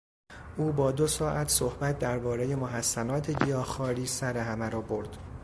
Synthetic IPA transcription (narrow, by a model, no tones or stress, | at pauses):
ʔuːbɒːd̪osɒːʔæt̪ʰsohbæt̪̚ʰd̪æɾbɒːɾeje̞moɦæsːænɒːt̪ʰe̞ɟijɒːxɒːɾiːsæɾe̞ɦæmæɾɒːbo̞ɾd̪̥